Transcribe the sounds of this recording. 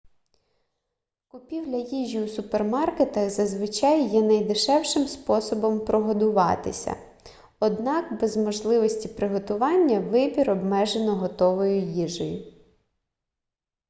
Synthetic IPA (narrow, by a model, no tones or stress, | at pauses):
kʊpʲiwlʲɐjiʒʲiusʊpermɑrket̪ɐxzɐzʋɪt͡ʃɑjːɛnɐjd̪ɪʃɛwʃɪmspɔsɔbɔmpɾɔɦɔd̪ʊʋɑ̰t̪ɪsʲɐ̰ | ɔd̪nɑkbɛzmɔʒlˠɪʋɔsʲtʲipɾɪɦɔt̪ʊʋɑnʲːɐʋɪbʲiɾɔbmɛʒenɔɦɔt̪ɔʋɔjʊjiʒɔjʊ